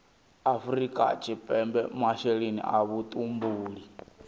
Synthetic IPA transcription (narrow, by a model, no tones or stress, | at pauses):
afuɾikʼa̰t͡ʃʰʼipʼɛmbɛmaʃeɺinḭʔaβut̪ʼumbuːɺi